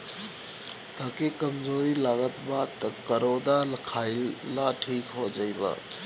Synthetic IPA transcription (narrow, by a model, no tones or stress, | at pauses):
t̪aːkekəmd͡ʒoɾilaːɡət̪bad̪t̪kəɾod̪aləkʰaɪlːaʈʰiːkɦod͡ʒaɪba̰